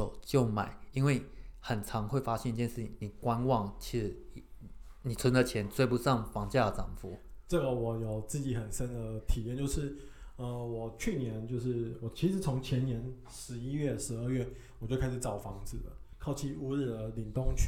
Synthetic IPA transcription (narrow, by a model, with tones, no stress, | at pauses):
o˨˩ʊt͡ɕjo˥˩ʊma̰˨˩˦ɪi˥nwe˥˩ɪxə˨˩nʈ͡ʂʰɑ˧˥ŋxwe˥˩ɪfa˥ɕjɛ˥˧ni˥t͡ɕjɛ˥˧nʂɻ̩˥˩t͡ɕʰḭ˨˩ŋni˨˩kwa˦nwɑ˥˩ŋt͡ɕʰi˧˥ʂ̩˧˥˨ | ni˨˩t͡sʰwə˧˥nd̪ə˨t͡ɕʰjɛ˧˥nt͡swe˥ɪpu˥˧sɑ˥˩ŋfɑ˧˥ŋt͡ɕja˥˩də˨˩t͡sɑ̰˨˩ŋfṵ˨˥˦ʈ͡ʂə˥˩ɡə˨˩wɔ˨˩˦jo˨˩ʊt͡sɹ̩˥˩t͡ɕi˨˩˦xə˨˩nsə˦nd̪ə˨t̪ʰi˨˩jɛ˥˧nt͡ɕjo˥˧ʊʂɻ̩˥˩ | ə˧wɔ˨˩t͡ɕʰy˥˩njɛ˧˦nt͡ɕjo˥˧ʊʂɻ̩˥˩wɔ˨˩t͡ɕʰi˧˥ʂɻ̩˧˥t͡sʰʊ˧˦˥ŋt͡ɕʰjɛ˧˥nnjɛ˧˥n | ʂɻ̩˧˥i˥ɥɛ˥˩ʂɻ̩˧˥ə˥˧ɥɛ˥˩wɔ˨˩t͡ɕjo˥˩ʊkʰa˥ɪʂ̩˨˩ʈ͡ʂɑ˨˩ʊfɑ˧˥ŋd͡zɹ̩˨˩də̰˩kʰɑ˥˩ʊt͡ɕʰi˥˩u˧˥ɻ̩˥˩də˩li˨˩ŋt̪ʊ˥ŋʰ